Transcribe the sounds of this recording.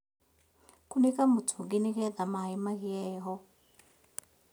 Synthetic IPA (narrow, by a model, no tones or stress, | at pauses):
kunikamutʰuŋɡinik̬ɛdamaimaɣijɛːɦɔ